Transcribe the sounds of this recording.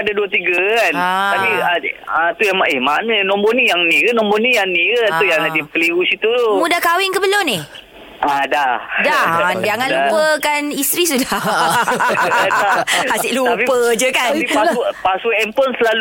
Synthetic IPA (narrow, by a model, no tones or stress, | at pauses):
adaduət̪iɡakanaapiaat̪ujaŋmaɪhmanə̃nɔmbɔnijaŋnĩkənɔ̃mbɔnĩjaŋnĩkət̪ujaŋladipəliusit̪utomudahkawɪŋkəbəlʊmnɪh | ʔadahdad͡ʒaŋanldupəkanist̪ɾis̬uda | aahasɪʔlutapipəd͡ʒəkaaniapaswəɛmpɔnsəlal